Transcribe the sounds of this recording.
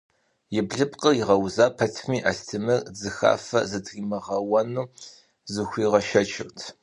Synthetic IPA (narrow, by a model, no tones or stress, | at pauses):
jɪbɮɨpqəiʁɐwzaːpʰɐtʰmiːʔastʰɨmɨrd͡zɨxa̰ːfɐ̰zɨtʰriːmɐʁɐwɐnuː | zɨxʷiːʁɐʃɐt͡ʃʰɪrtʰ